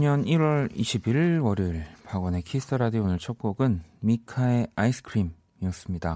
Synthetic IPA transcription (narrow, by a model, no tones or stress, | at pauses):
ɲʌniɾwʌɾiɕʰibiɾwʌɾiɭpaɡwʌne̞kʰisʰɯ̥tʰɯɾadionɯɭt͡ɕʰok̚k͈oɡɯnmikʰae̞aisɯ̥kʰɾim | iʌs͈ɯmɲida